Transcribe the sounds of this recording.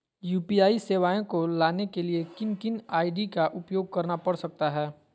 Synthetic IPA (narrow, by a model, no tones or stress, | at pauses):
juːpiaːiseːʋaːẽkolaːnekeliekɪnkɪnaːiɖikaʔʊpjoːɡ̚kɐɾnapɐɽsɐk̚t̪aɦɛː